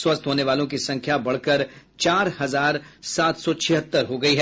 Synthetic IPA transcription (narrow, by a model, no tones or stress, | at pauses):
swɐst̪ʰɦoːneʋaːlõkisɐ̃ŋkʰjabɐɽ̤kəɾt͡ʃaːɾhɐzaːɾsaːt̪sɔt͡ʃʰɪɦət̪ːəɾɦoɡɐiɦɛː